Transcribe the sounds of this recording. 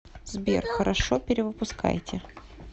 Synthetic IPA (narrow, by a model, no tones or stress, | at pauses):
zbʲḛrxəɾʔɐʂopʲɪɾʲɪvɨpʊska̰jtʲɪ